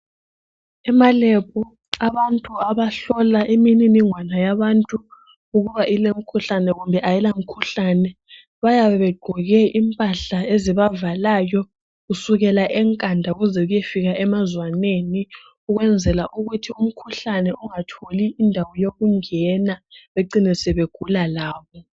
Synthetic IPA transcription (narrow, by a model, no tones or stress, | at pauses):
ɛmalɛpʰɔ | aβantʼuaβaɬɔlaʔemininiŋwanajaβantʼu | uɣuβaʔilem̩kʰuɬanɛɣumbʱɛʔajilam̩kʰuɬanɛ | βajaβɛβɛɡ͡ǃʱɔɣɛʔimpʼaɬaeziβavalaːjɔ | ɣusuɣɛlaʔɛŋkʼandʱauɣuzɛɣujefiɣaʔɛmazwaneni | uɣwɛnd͡zʱɛlaʔuɣutʰium̩kʰuɬanɛuŋatʰoliːndʱawɔjoɣuŋɛnaβeǃinisɛβeɡ̥ʱulalaːβɔ